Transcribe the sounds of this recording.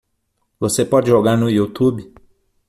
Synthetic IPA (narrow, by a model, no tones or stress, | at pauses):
vosepɔd͡ʒɪʒɔɡaɾnʊjut̪ubi